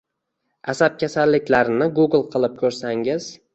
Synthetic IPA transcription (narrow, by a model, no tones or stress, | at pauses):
asap̚kʲʰasalːɪkʲlaɾɪnɪɡuɡlˠqʰɨlˠɪp̚kʲʰɵɾsaŋɪz